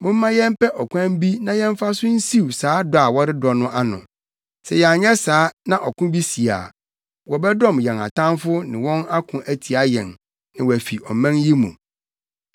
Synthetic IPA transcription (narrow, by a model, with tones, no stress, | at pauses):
mʊ̃˦m˦mã˦jɛ̃˦m˦pʰɛ˦ʔɔ˨kʷʰã˦m˦bi˦nã˨jɛ̃˦ɱ˦fa˦sʊ̃˦n̩˦si˦wsaː˨˦dɔ˨a˨wɔ˦ɾɪ˦dɔ˨nʊ̃˦ʔa˦nʊ̰̃˨ | sɛ˨jɛ˨a˨ɲɛ˦saː˨˦nã˨ʔɔ˨kʊ̃˦bi˦si˨a̰˨ | wɔ˨bɛ˦dɔ̃˦˨mjɛ̃˨na̰˨tʰã˦nfʊ˦nɪ̰̃˨wɔ̃˦na˦kʰʊ̃˨ʔæ˦tʰi˨a˦jɛ̃˨n | nã˨wɔ˨æ˨fi˨ɔ˨mæ̃˦nji˦mṵ̃˨